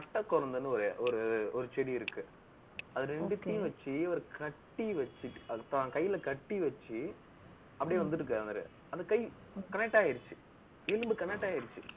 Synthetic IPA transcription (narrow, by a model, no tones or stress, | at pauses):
pɐʈːɐkːɔɾɐnd̪ɐnːɯɔɾeʔɔɾɯɔɾɯt͡ʃɛɽiɪɾɯkːɯ | ɐðɯɾɛɳɖɯt̪ːij̃ʋɐt͡ʃːiɐʋɐɾkɐʈːiʋɐt͡ʃːɯɐt̪ãːkɐjːɪlɐkɐʈːiʋɐt͡ʃːi | ɐpːɐɽɪjeːʋɐnd̪ɯʈːɯkːɐɐnd̪ɐɾɯ̰ | ɐnðd̪ɐkɐɪ | kɐnɛk̚ʈːaːɣɪɾɯt͡ʃːɯ̥ | ɛlɯmbɯkɐnɛk̚ʈːaːɣɪɾɯt͡ʃːɯ